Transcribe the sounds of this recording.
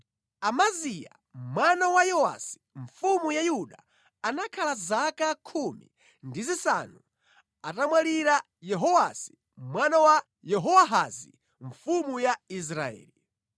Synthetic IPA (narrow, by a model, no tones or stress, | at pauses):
amazija̰ | mwanawajɔwa̰si̥ | ɱfumujajuɗa̰ː | nakʰalazakakʰumḭ | ndizisa̰nu | atamwaliɾa | jɛɦɔwasi̥ | mwanawa | jɛɦɔwaɦazi | ɱfumujais̬ɾaɛ̰ːli